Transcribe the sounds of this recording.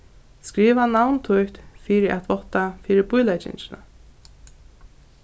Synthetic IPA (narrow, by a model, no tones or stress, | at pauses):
skɾiːʋanawnt̪ʰʊjht̪fiːɾɪʔat̪vɔht̪ːafiːɾɪɾbʊjlajt͡ʃɪ̰ɲt͡ɕɪna̰